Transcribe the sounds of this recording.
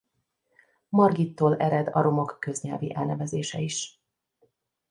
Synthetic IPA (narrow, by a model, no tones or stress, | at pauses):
mɒrɡit̪ːoːlɛɾɛd̪ɒ̰ɾʔo̞mo̞kːø̞zɲɛlviʔɛlnɛvɛzeːʃɛiʃ